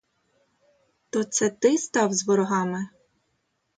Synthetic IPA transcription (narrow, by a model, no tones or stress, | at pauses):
t̪ɔt̪sɛt̪ɪst̪ɑwzʋɔɾɔɦɑmɪ